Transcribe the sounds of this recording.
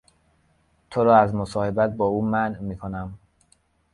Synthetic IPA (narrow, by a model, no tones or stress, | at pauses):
t̪ʰoɾɒːæzmosɒːhe̞bæt̪̚bɒːuːmænmiːkʰonæm